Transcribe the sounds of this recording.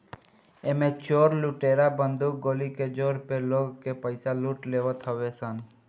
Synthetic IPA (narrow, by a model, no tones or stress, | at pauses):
emẽt͡ʃoːɾluʈeɾabənd̪uk̚ɡoːliked͡ʒoːɾpeloːɡkepəɪsaluːʈleːʋət̪ɦəʋesən